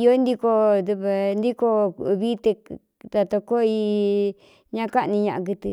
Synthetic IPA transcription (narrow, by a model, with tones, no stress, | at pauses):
i˧o˦nd̪i˧ko˧d̪u˧βa˧nd̪i˦ko˧βi˦t̪e˧ | t̪a˧t̪o˧ko˦i˧ | ɲã˦˧ka˦ʔnĩ˧ɲã˧ʔã˧k̬ɨ˧t̪ɨ˧